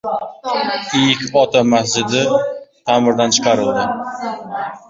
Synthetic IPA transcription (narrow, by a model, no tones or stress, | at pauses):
ɪjɪkʲɒt̪amahd͡ʒɪd̪ɪt̪ʰamɪɾd̪ant͡ʃʰɨ̥qʰɑɾɪlˠd̪ɪ